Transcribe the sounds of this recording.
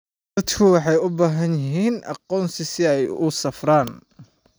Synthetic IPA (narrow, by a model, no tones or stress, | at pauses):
ɐd̪kʰʊwɑħɑjʊbaːɦɐnjɪɦiːnʔɑ̰qɔːnsɪsɪɛjʊsɐfraːn